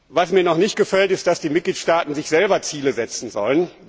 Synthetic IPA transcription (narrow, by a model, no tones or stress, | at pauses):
vasmiːɐnɔχnɪçt̚ɡ̥əfɛltɪst̚d̥asd̥iːmɪt̚ɡ̥liːtʃtaːtn̩zɪçz̥ɛlbɐt͡siːləzɛt͡sn̩zɔ̰lən